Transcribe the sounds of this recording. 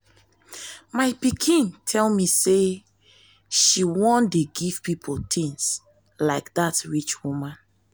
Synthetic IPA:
maɪpikʰĩntʰɛlmise | ʃiwɔ̃ndeɡiv̥pipʰoltʰĩŋs | laɪkdatɹit͡ʃwumãn

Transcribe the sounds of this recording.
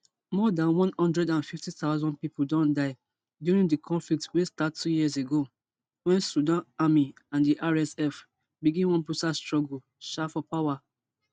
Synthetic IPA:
mɔdãnwɔ̃nhɔ̃ndɹɛdãnfiftiθaʊzɔ̃nd̚pipuldɔ̃ndaɪ | djuɹĩŋdikʰɔ̃ɱflik̚twestatʰːujizeɡo | wɛ̃nsudãnami | ãndiʔaɹɛsɛf | biɡĩnwɔ̃npusastɹɔɡul̩ | ʃafɔpawa

